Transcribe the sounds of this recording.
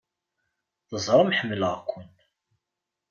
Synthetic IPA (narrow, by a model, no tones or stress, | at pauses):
θəzˤɾˤəmħəmːləʁkʷʰːʊn